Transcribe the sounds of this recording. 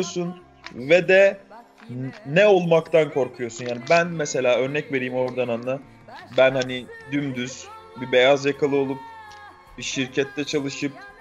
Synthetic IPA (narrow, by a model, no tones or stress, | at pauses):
osun | vɛd̪ɛ | nɛo̞lˠmakt̪ʰankʰo̞ɾkʰujo̞sunjaːnibænmɛse̞lʲaːø̞ɾnɛcve̞ɾijːmo̞ɾd̪ananːˠa | bænhanid̪ymd̪yz̥bibe̞jazjakʰalˠɯo̞lˠup̚ | b̥iʃiɾcʰɛt̪ʰːɛt͡ʃʰalˠɯʃɯp̚